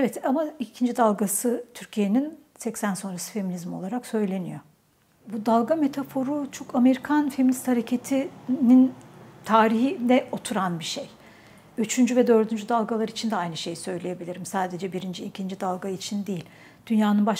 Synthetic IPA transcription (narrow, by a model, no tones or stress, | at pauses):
evɛt̪amaicʰind͡ʒid̪alˠɡasɯt̪ʰyɾcʰije̞ninsɛcsænso̞nɾasɯ̥fe̞minizmo̞lˠaɾaksø̞jlʲe̞nijo̞ | bud̪alˠɡame̞t̪ʰafo̞ɾut͡ʃʰo̞kʰame̞ɾikʰanfe̞minist̪haɾe̞cʰet̪ʰinint̪ʰaːɾiɦilɛo̞t̪ʰuɾanbiʃej | yt͡ʃʰynd͡ʒyvɛd̪ø̞ɾd̪ynd͡ʒyd̪alˠɡalˠaɾit͡ʃʰind̪ɛajnɯʃe̞jsø̞jlʲeje̞bilʲiɾimsaːd̪e̞d͡ʒɛbiɾind͡ʒiːcʰind͡ʒid̪alˠɡait͡ʃʰind̪ejilʲ | d̪̥ynjaːnɯnbaʃ